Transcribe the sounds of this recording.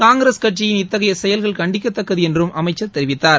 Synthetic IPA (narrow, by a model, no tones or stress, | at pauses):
kaːŋɡɾeskɐʈt͡ʃɪjɪnɪt̪ːɐɣɐjɐsɛjɐlɣɐɭkɐɳɖɪkːɐt̪ːɐkːɐðiɛndrɯmɐmɐɪt͡ʃːɐt̪ːɛɾɪʋɪt̪ːaːɾ